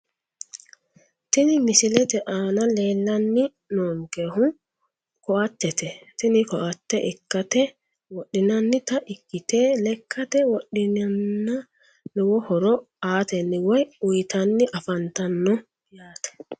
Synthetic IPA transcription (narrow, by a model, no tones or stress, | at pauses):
t̪inɪmɪsɪlɛt̪ɛʔaːnɐleːlːɐnːɪ | noːŋkɛhʊŋ | kɔʔat̪ːɛt̪ɛt̪ɪnɪkɔʔat̪ːɛʔɛkːat̪ɛ | wɔɗːɪnɐnːɪt̪aʔɪkːɪt̪eːlɛkʰːɐt̪ɛwɔɗɪnanːa | nwɔhɔɾɔ | aːt̪ɛnːɪwɔjʊjt̪ɐnːɪʔɐfɐnt̪ɐnːɔ | jaːt̪ɛ̥